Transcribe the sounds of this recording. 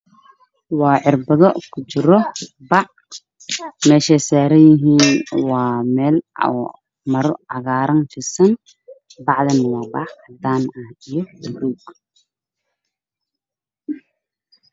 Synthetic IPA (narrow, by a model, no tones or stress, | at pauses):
wɑːʕɪrbɐðɔkʰʊt͡ʃɪɾɔ | bɑʕ | mɛːʃɛːsaːɾɐjɪɦiːnwɑːmɛːlɔ̰ː | mɐɾɑɣaːɾɐnfɪsɐn | bɑʕðɛnwɑːbɑ̰ʕd̪aːnɐhɪjɔʊruːɡ